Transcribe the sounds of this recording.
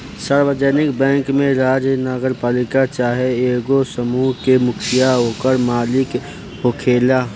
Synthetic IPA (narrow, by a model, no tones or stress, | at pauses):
saːɾwəd͡ʒɛnɪkbɛ̃ːŋkmẽɾaːd͡ʒjnəɡəɾpaːlɪkat͡ʃaːɦeeːɡosəmuːɦkemʊkʰijaɦoːkəɾmaːlɪk | ɦokʰeːlaː